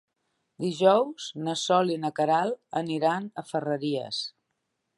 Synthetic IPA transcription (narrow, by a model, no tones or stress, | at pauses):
d̪iʒɔwz̥nəsɔlinəkəɾalˠəniɾanəfərəɾiə̰s